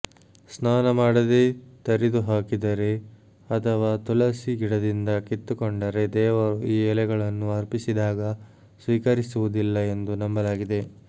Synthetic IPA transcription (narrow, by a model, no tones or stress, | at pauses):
snaːnɐmaːɽɐd̪e̞t̪ɐɾid̪uɦaːkid̪ɐɾe̞ | ɐt̪ʰɐʋaːt̪ulɐsiɡiɽɐd̪ind̪ɐkit̪ːukoɳɖɐɾe̞d̪ɛːʋɐɾuiːɛlɛɡɐɭɐnːuɦɐɾpisid̪aːɡɐ | sʋiːkɐɾisuʋud̪ilːɐe̞nd̪unɐmbɐlaːɡid̪e̞